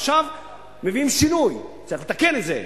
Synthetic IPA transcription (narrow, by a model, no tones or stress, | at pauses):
ʃav | meviimʃinujt͡saɐʁilet̪ake̞netzḛ